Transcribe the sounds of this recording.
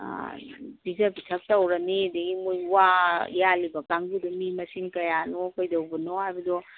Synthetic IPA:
bizabitʰɐk̚tɐwɾɐnidɐɡimojwajalibɐkaŋɡudɔmimɐsiŋkɐjanɔkojdɐwbɐnɔɦajbɐdɔ

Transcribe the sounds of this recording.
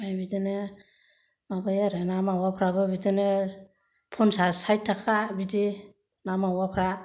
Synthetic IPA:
bajbidene | mabajaɾenamawapʰɾabɯbidene | pʰɔnsasajtʰːakʰabidi | namawapʰɾa

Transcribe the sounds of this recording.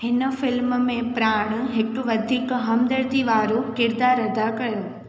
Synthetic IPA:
hɪnə̆fɪlmmẽpɾaːɽ̃̆ɦɪkʋɐd̪ʱiːkɦɐmd̪əɾt̪iʋaːɾokɪɾd̪aːɾɐd̪ʱakɐjoː

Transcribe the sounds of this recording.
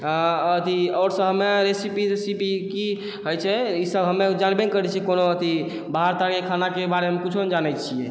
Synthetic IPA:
aət̪ʰiɔːɾsə̃ɦəmeɾesipiesipiki | ɦojt͡ʃʰɛisəbɦəmːed͡ʒanbenkəɾɛt͡ʃʰikonoət̪ʰi | baɦaɾt̪aɾkekʰanakebaɾemekut͡ʃʰond͡ʒanət͡ʃʰijɛ

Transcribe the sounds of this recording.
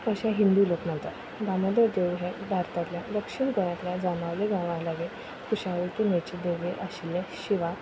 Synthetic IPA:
əɕaɦind̪uloknãnt̪aɾ | ɡaməd̪əɾd̪eʋɦed̪ʱaɾt̪at̪ljaləkɕinkəɾjãt̪ljad͡zanaʋleɡãʋãlaɡe | kʰuɕaʋəʈimet͡ɕed̪eʋeʔəɕilẽɕiʋa

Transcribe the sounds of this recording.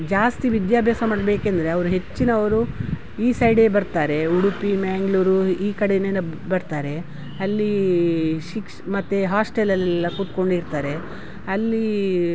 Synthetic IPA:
d͡ʒaːst̪iʋid̪jaːbʱjaːsɐmaːɽbeːkend̪ɐɾe̞ɐʋɐɾuɦe̞t͡ʃːinɐːʋɐɾu | iːsɐjɽebɐɾt̪aːɾe̞uɽupimaːŋɡluːɾuiːkɐɽeneːnɐbɐɾt̪aːɾe̞ | ɐlːi | ʃikʂmɐt̪ːeɦaːsʈelɐlɛlːɐkut̪ko̞ɳɖiɾt̪aːɾe̞ | ɐlːi

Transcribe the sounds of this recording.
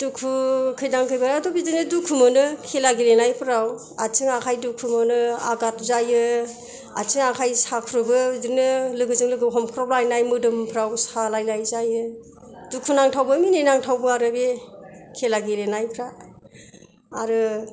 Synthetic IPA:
d̥ukʰukʰɯjdaŋkʰɯjbaɾadɔbizɯnɯdukʰumɯnɯkʰelaɡilenajpʰɾaw | at͡ʃʰɯŋakʰajdukʰumɯnɯa̰ɡat̚zajɯ | a̰t͡ʃʰɯŋakʰajsakʰɾɯbɯzinɯlɯɡɯzɯŋlɯɡɯɦɔmkʰɾɔblajnajmɯdɯmpʰɾawsalajlajzajɯ | dukʰunaŋtʰawbɯmininaŋtʰawbɯaɾɯbekʰelaɡilenajpʰɾa | ɾɯ

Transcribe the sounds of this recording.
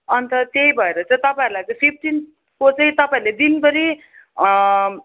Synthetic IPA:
ʌnt̪ʌt̪jejbʱʌeɾʌt͡sʌ̃ĩt̪ʌpaĩɾulajt͡sʌ̃j̃pʰip̚ʰʈin | kot͡sʌɦĩt̪ʌpaĩɾled̪inpʌɾi

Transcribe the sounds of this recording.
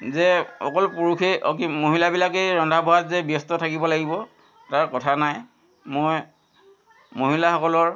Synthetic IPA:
zɛɔ̰kɔlpuɹukʰeɔkimoɦilabilakejɹɔndʱabɔɦatzɛbjɔstɔtʰakibɔlaɡibɔ | taɹkɔtʰanaj | moj | moɦilaxɔkɔlɔɹ

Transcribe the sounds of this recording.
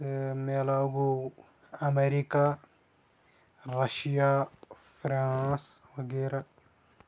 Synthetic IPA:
melaɡu | ameɾika | ɾaʃija | fɾãswɐɡeɾa

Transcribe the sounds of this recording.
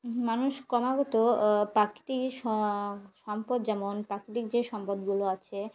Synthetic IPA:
manuʃkɔmaɡɔt̪opɾakɾi̥t̪ikʃɔʃɔmpod̪d͡ʑɛmonpɾakɾit̪ik̚d͡ʑeʃɔmpod̪ɡuloat͡ɕʰe

